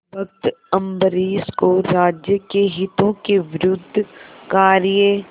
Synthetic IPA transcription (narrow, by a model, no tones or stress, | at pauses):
bɐk̚t̪ɐ̃mbəɾiːskoɾaːd͡ʒjəkeɦɪt̪õkeʋɪɾʊd̪ʱːkaːɾje